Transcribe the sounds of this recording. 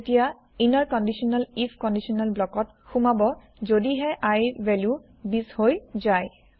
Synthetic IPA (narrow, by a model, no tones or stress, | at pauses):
tija | intaɹkɔndisɔnalipʰkɔndisiɔnalblɔkɔt | xumabɔ | zodiɦɛʔajvɛlju | bishojzaj